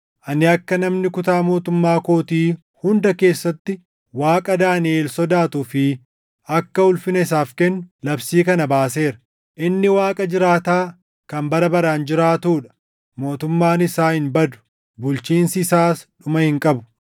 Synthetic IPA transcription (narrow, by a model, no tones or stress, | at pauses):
ʔɐnɪɐkːɐnɐmnɪkʊt̪aːmo̞ːt̪ʊmːaːko̞ːt̪iː | hʊnd̪ɐke̞ːsːɐt̪ːɪ | waːkʼɐd̪aːnɪeːlsɔd̪aːt̪ʊfɪ | ɐkːɐʊlfɪnɐɪs̬aːfkɛnːʊlɐbsiːkɐnɐbaːse̞ːɾɐ | ʔɪnːɪwaːkʼɐd͡ʒɪɾaːt̪aː | kɐmbɐɾɐbɐɾaːnd͡ʒɪɾaːt̪uːᶑɐ̥ | mo̞ːt̪ʊmːaːnɪsaːhɪnbɐd̪ʊ̥ | bʊlt͡ʃiːnsɪːsaːsᶑʊmɐhɪŋkʼɐbʊ̥